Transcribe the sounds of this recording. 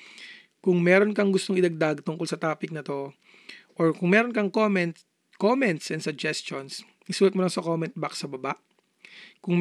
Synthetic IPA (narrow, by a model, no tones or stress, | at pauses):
kʊŋmɛːɾonkɐŋɡʊst̪oŋɪd̪ɐɡ̚d̪aɡ̚t̪ʊŋkolsɐt̪aːpɪk̚nɐt̪o̞ | ʔoɹkʊŋmɛːɾonkɐŋomɛn | komɛnt̪sɛnsʊɡ̚d͡ʒɛst̪ons | ɪsuːlɐt̪molɐŋsɐkoːmɛnt̪̚baksɐbɐbaʔ | kʊŋ